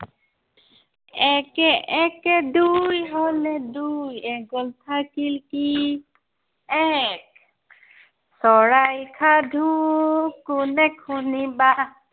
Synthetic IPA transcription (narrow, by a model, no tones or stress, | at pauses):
ɛkɛʔɛkɛd̪ujɦɔnɛd̪ujɛɡɔlt̪ʰakilki | ɛk̚ | sɔɹajkʰad̪ʱu | kunɛkʰuniba